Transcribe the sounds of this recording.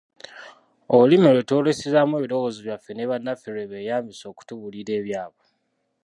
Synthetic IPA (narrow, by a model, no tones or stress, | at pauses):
olimeleto̞ːle̞sezamweβiɾo̞ɣoːziβjafːe̞neβanːafeɾeβeːjaːmbiso̞ːku̥tuβuliɾe̞ːβjaːβo